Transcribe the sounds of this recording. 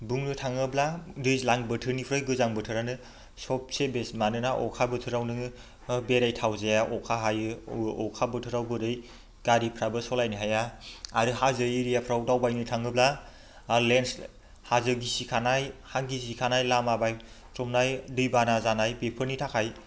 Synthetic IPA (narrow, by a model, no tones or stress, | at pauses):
buŋdɯtʰaŋɯbladɯjlaŋbɯtʰɯɾnipʰɾɯjɡɯzaŋbɯtʰɯɾanɯ | sɔp̚sebesmanɯnaʔɔ̰kʰabɯtʰɯɾawnɯŋɯ | beɾajtʰawzejaʔɔkʰaɦajɯɔkʰabɯtʰɯɾawbɯɾɯj | ɡ̥aɾipʰɾabɯsɔlajniɦajaaɾɯhazɯiɾijapʰɾawdawbajnɯtʰaŋɯbla | lens | hazɯɡisikʰanajhaŋɡisikʰanajlamabaj | tɾɔmnajdɯjbanazanajbepʰɯɾnitʰakʰaj